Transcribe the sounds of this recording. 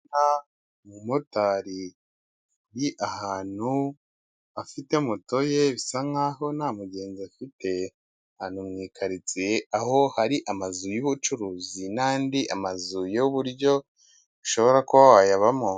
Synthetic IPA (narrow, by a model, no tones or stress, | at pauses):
na | mumotaɾi | ɾiʔahaːn̥u | afite̞muto̞jeβisaŋaho̞namuɟe̞ːnziafite̞ | haːn̥humŋiːkʰaɾit͡seahohaɾiʔamazujuβut͡ʃuɾuːzinaːndiʔa̰mazujouβuɾɟo̞ | βiʃo̞βo̞ɾako̞ajaβamo